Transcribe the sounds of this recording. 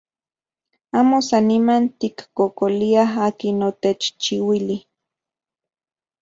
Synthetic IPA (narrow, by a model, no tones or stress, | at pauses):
aːmosanːimant̪ikːokoliaɦaːkinot̪et͡ʃt͡ʃiwili